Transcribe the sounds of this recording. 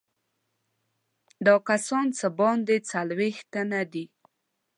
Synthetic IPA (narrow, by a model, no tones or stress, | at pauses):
d̪ɑkasɑnt͡sabɑnd̪et͡salwext̪anad̪i